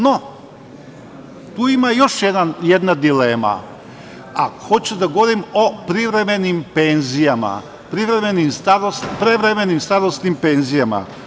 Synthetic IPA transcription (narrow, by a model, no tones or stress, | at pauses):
no | t̪uːimajo̞ʃjed̪anjed̪nad̪ileːma̰ | axo̞t͡ɕud̪aɡo̞ʋoɾimopɾiʋɾe̞me̞nimpenzijama̰ | pɾiʋɾeme̞nimst̪aɾospɾeʋɾeme̞nimst̪aɾosnimpenzijama̰